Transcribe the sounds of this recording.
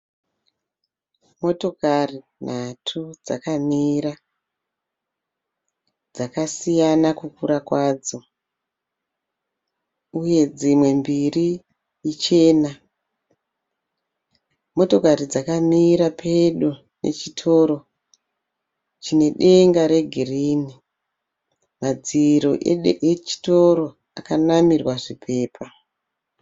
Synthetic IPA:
mo̞to̞kari | natʰud͡za̰kamiːɾa | d͡zakasijanakukuɾakwad͡zo̞ | uje̞d͡zimwe̞mbiri | it͡ʃe̞ːna | mo̞to̞kaɾid͡zakamiɾapʰeɗu | nʔe̞̰t͡ʃitʰo̞ːɾo̞ | t͡ʃine̞ɗe̞ŋɡaɾe̞ɡʱiriːni | mad͡ziɾoet͡ʃi̥to̞ɾo̞ | akanamirwaʐipʰe̞ːpʰa

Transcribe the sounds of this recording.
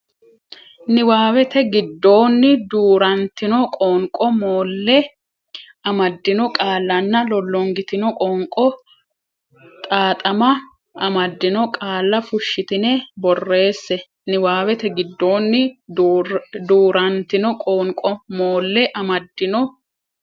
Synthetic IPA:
nɪwaːwɛt̪ɛɡɪd̪ːo̞ːnːɪd̪uːɾɐnt̪ɪnɔkʼoːŋkʼɔmoːlːɛ | ɐmɐd̪ːɪnɔkʼaːlːɐnːɐlɔlːɔŋɡɪt̪ɪnɔkʼoːŋkʼɔ | t̪ʼaːt̪ʼɐmɐ | ɐmɐd̪ːɪnɔkʼaːlːɐfʊʃːɪt̪ɪnɛbɔrːe̞ːsːɛ | nɪwaːwɛt̪ɛɡɪd̪ːo̞ːnːɪ | d̪uːɾɐnt̪ɪnɔkʼoːŋkʼɔmoːlːɛʔɐmɐd̪ːɪnɔ

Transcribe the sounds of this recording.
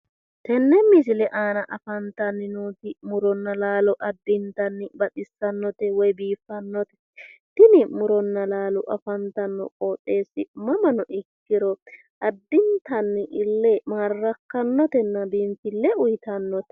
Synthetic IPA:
t̪ɛnːɛmɪsɪlɛʔaːnɐʔɐfɐnt̪ɐnːɪnuːt̪ɪmʊɾɔnːɐlaːlɔʔɐd̪ːɪnt̪ɐnːɪbɐt̪ɪsːɐnːɔt̪ɛwɔjbiːfːɐnːɔt̪ɛ̥ | t̪ɪnɪmʊɾɔnːɐlaːlɔʔɐfɐnt̪ɐnːɔ̰kʼoːtʼːe̞ːsːɪmɐmɐnɔʔɪkːɪɾɔ | ʔɐd̪ːɪnt̪ɐnːɪʔɪlːɛmaːrːɐkːɐnːɔt̪ɛnːɐbiːmfɪlːɛʊjt̪ɐnːɔt̪ɛ̥

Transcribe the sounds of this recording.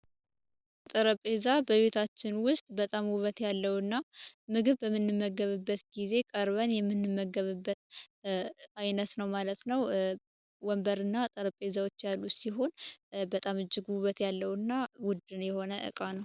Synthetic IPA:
t̪ʼəɾəpʼe̞zabəβe̞t̪ʰat͡ʃːɪnwʊst̪ʼbət̪ʼamwuβət̪jalːəwɨnːamɨɡɨβːəmːɨnːɨmːəɡəβɨbːət̪ɡize̞kʼəɾβənjɛmːɨnːɨmːəɡəβɨbːət̪ | ajnət̪nəwmalət̪nəw | wɔmbəɾɨnːat̪ʼəɾəpʼe̞zawot͡ʃːjalːusiɦo̞nbət̪ʼamɨd͡ʒːɪɡuβət̪jalːəwɨnːawʊd̪ːɨnjɛho̞nəʔɨ̰kʼanəw

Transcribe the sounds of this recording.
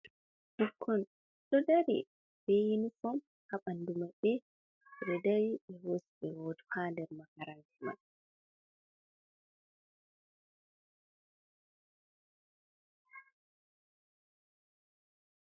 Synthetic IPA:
d̥ukʰːɔn | ɗɔdaɾḭ | b̥ejinifɔm | haɓandumaɓɛ | ɾɛdaɾiɓɛwosiɓɛwoːdu̥haːndɛɾmakaɾantʰima̰n

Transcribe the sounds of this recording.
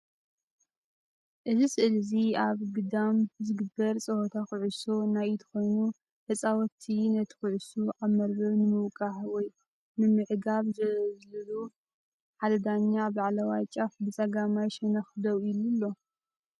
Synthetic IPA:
ʔɨzisɨʔɨlziaβɡɨd̪amzɨɡɨbːɐɾt͡sʼɐhot̪ʰaxʊʕusonajt̪ʰɐ̥xo̞jnu | ħɨt͡sʼawɔt̪ʰːinɐt̪ʰɨ̥xʊʕusuʔaβmɐɾbɐβnɨmɨwkʼaħwɔj | nɨmɨʕɡaβzɐzlɨlu | ħad̪ɐd̪aɲːabaʕlɐwajt͡ʃʼafbɨt͡sʼɐɡamajʃɛnɐxd̪owilulːo̞

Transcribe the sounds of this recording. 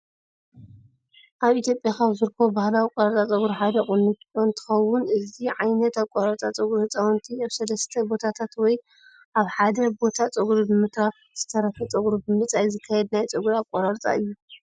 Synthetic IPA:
ʔaβit̪ʰjopʼjakaβzɨɾɨkʰːobahlawikʼoɾaɾt͡sʼat͡sʼɐɡuɾħad̪ɐχʼɨnːɨt̪ont̪ʰɨ̥xɐwʊnʔɨziʕajnɐt̪aβkʼoɾaɾt͡sʼat͡sʼɨɡɾhɨt͡sʼawɔnt̪ʰiaβsɐlɐst̪ʰɐbo̞t̪ʰat̪ʰat̪wɔj | ʔaβħad̪ɐbo̞t̪ʰat͡sʼɨɡɾubɨmɨt̪ɾa | z̥ɨt̪ʰɐɾɐkʰɐt͡sʼɐɡɾub̪ɨmɨt͡sʼajzɨkʰːajɛd̪̚najt͡sʼɨɡuɾaβkʼoɾaɾt͡sʼa̰ɨjːu

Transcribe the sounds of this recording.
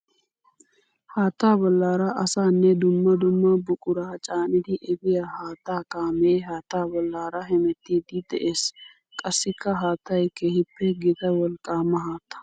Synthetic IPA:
haːt̪ːaːbɔlːaːɾɐʔɐsaːnːɛd̪ʊmːɐd̪ʊmːɐbʊkʼʊɾaːt͡ʃʼaːnɪd̪ɪʔɛbɪjahaːt̪aːkaːmeːɦaːt̪ːaːbɔlːaːɾɐɦɛmɛt̪ːiːd̪ɪd̪ɛʔeːs | kʼɐsːɪkːɐɦaːt̪ːɐjkeːhɪpːɛɡɪt̪ɐwɔlkʼːaːmːɐɦaːt̪ːɐ̥

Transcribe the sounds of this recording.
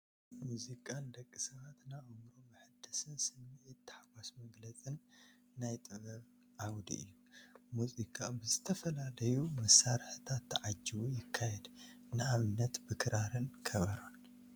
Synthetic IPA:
muzikʼand̪ɐkʼːisɐβat̪naʔomɾomɨħɨd̪ɐsɨnsɨmːiʕit̪ːħaɡʷasmɐɡlɐt͡sʼɨnː | ajt̪ʼɨβɐβ | ʕawd̪ḭʔɨ̰jːumuzʼikʼabɨzɨt̪ʰɐfɐlalɐjumɐsːaɾħɨt̪ʰat̪ʰːʕad͡ʒːiβujɪkʰːajɛd̪ | nɨaβɨnːɐt̪bɨkʰɨɾʔaɾɨnkʰɐβɐɾon

